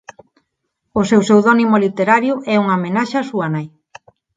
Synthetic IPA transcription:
ʊsewsewðɔnimolit̪eɾaɾjʊʔɛuŋamenaʃasuanaj

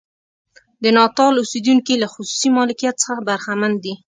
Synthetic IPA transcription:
d̪ənɑt̪ɑlused̪uŋkilaxʊsu̥simɑlɪkijat̪̚sə̥xabaɾxamand̪d̪i

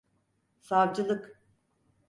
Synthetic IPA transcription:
savd͡ʒɯlˠɯk

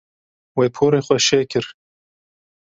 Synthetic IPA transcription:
weːpʰoːɾeːxʷɛʃeːkʰɨɾ

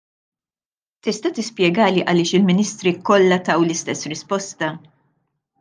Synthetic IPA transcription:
t̪ɪst̪ɐt̪ɪspjɛɡɐːliʔɐlɪːʃɪlmɪniːst̪ɾikɔlːɐt̪ɐwlɪst̪ɛsːɾɪspɔst̪ɐ

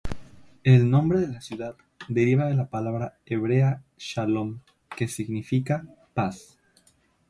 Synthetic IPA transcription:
elnõ̞mbɾeðe̞lasjuðað | d̪e̞ɾiβaðelapalaβɾa | eβɾeaʃalom | ke̞siɣnifika | pas

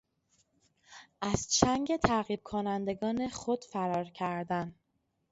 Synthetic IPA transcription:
ʔæz̥t͡ʃʰæŋɟe̞t̪ʰæɣiːb̥̚kʰonænd̪e̞ɡɒːne̞xod̪̥fæɾɒːɾcʰæɾd̪æn

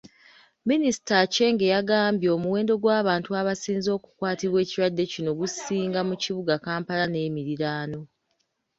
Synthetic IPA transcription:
minisi̥tace̞ːŋɡe̞jaɡaːmbjo̞ːmuwe̞ːndo̞ɡwaːβaːntuaβasiːnzo̞ːku̥kwaːtiβwe̞ːciɾwadːe̞cino̞ɡusiːŋɡamuciβuɡakaːmpalane̞ːmiɾiɾaːno̞

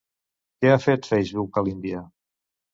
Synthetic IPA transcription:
kɛafet̪fɛjʒβiwkalimbia

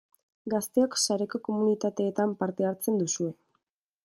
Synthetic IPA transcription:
ɡast̪e̞oksaɾe̞ko̞ko̞munit̪at̪e̞ːt̪ampaɾt̪e̞aɾt͡se̞nd̪usue̞

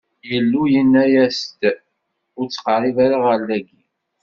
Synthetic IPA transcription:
jəlːujənːæjæst̪ | ʊɾt͡sːə̥qərˤivaɾaʁəɾlːæɡi

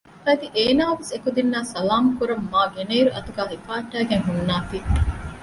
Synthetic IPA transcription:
fɐd̪iʔeːnaːʋesekud̪inːaːsɐlaːmukuɾɐmːaːɡeneiɾuʔɐt̪uɡæːɦifaːɐʈːæːɡeŋɦunːaːt̪iː

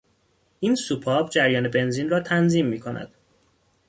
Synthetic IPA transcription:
ʔiːnsupʰɒːbd͡ʒæɾjɒːne̞be̞nziːnrɒːt̪ʰænziːmːiːkʰo̞nʔæ̰d̪̥

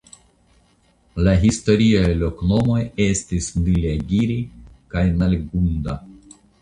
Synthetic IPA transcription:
laɦisto̞ɾiajlo̞kno̞mo̞je̞stisnileɡiɾikajnalɡunda

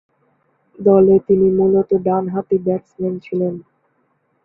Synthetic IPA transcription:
d̪ɔlet̪inimulot̪oɖanɦat̪ibɛʈsment͡ɕʰilen

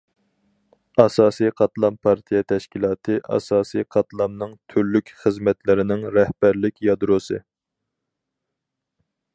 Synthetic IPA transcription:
ɑsɑːsijqʰɑt̪lˠɑmpʰɑɾt̪ʰijɛt̪ʰɛʃkʲilˠɑːt̪ʰɨʔɑ̰sɑːsijqʰɑt̪lˠɑmnɨŋt̪ʰyɾlykʲχəzmɛt̪ʰlɪɾɪnɪŋɾɛhbæɾlɪkʲjɑd̪ɾosɨ̰

